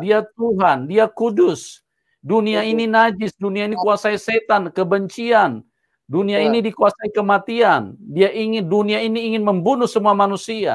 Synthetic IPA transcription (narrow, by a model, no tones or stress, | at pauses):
diat̪̚uɦandiakudʊs | duniaininad͡ʒɪsduniainikuasaiset̪ankəbəɲt͡ʃian | duniainidikuasaikəmat̪iandiaʔiŋɪnduniainiːŋɪnməmbunʊhsəmuamanusia̰